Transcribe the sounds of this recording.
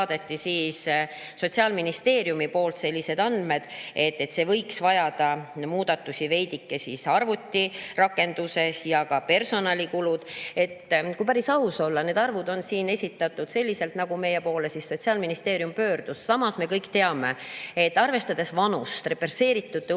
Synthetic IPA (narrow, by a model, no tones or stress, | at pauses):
d̪̥e̞t̪ːisiːs | so̞t̪siɑːlminist̪e̞ːɾjumipo̞ːlt̪se̞lʲːise̞d̪̥ɑnd̪̥me̞d̪̥e̞t̪ːe̞t̪se̞vɤ̞jksvɑjɑd̪̥ɑmuːd̪̥ɑt̪ːusʲive̞jd̪̥ikːe̞sisɑrvut̪ʲːirɑkːˑe̞nd̪̥use̞sjɑkɑpe̞rso̞nɑlʲikulud̪̥e̞t̪ːkujpæɾisɑuso̞lːɑne̞ːd̪ɑrvud̪o̞nsiːne̞sʲit̪ːˑɑt̪ːˑud̪̥se̞lʲːise̞lt̪nɑɡ̥ume̞jepo̞ːle̞sisːo̞t̪siɑːlminist̪e̞ːɾijumpø̞ːrd̪̥usːɑmɑsme̞kɤjkt̪e̞ɑme̞et̪ːɑrve̞st̪ɑd̪̥e̞svɑnust̪re̞perse̞ːɾit̪ːˑud̪̥ːe